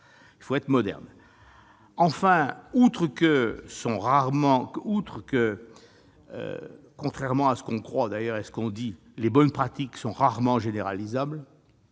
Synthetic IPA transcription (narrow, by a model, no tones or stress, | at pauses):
ilfoɛt̪χəmɔd̪ɛ̰ʁn | ɑ̃fɛ̃ut̪χəkəsɔ̃ʁaʁmɑ̃ut̪χəkə | ø̰ | kɔ̃t̪χɛʁmɑ̃asə̥kɔ̃kχwad̪ajœʁɛsə̥kɔ̃d̪i | lebɔnpχat̪iksɔ̃ʁaʁmɑ̃ʒeneʁalizabl